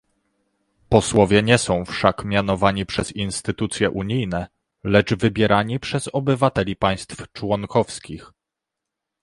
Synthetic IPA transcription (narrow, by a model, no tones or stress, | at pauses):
pɔswɔvʲjɛɲɛsɔ̃w̃fʂakmʲjan̪ɔvaɲipʂɛzinst̪ɘt̪ut̪sʲjɛʔuɲijnɛ | lɛd͡ʐvɘbʲjɛɾaɲipʂɛzɔbɘvat̪ɛlʲipaj̃st̪ft͡ʂwɔŋkɔfskʲix